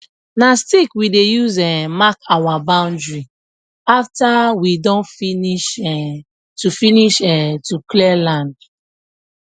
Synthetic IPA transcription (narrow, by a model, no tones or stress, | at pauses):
nastikwidejuzɛmakawabãʊ̃ndɹi | aftawidɔ̃nfiniʃɛ | tufiniʃɛtuklɛlãnd